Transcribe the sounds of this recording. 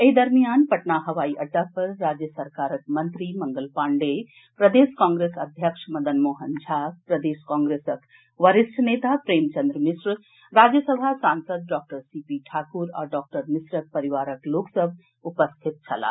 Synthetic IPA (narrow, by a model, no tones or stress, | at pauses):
eɦid̪ɐɾmijanpəʈnaɦɐʋaiʔɐɖːapɐɾːad͡ʒjəsɐɾkaːɾək̚mɐnt̪ɾimɐŋɡəlpaɳɖe | pɾɐd̪eskãŋɡɾesɐd̪ʱjəkʂʰmɐd̪ənmoɦənd͡ʒʱapɾɐd̪eskãŋɡɾesəkʰ | ʋəɾisʈʰnet̪apɾeːmt͡ʃənd̪ɾəmisɾ | ɾad͡ʒjəsəbʱasansəd̪̚ɖɔk̚ʈəɾsipiʈʰakuɾa̰ːɖɔːk̚ʈəɾmisɾək̚pɐɾiʋaːɾəkloksəbʱ | upəst̪ʰit̪̚t͡ʃʰɐla̰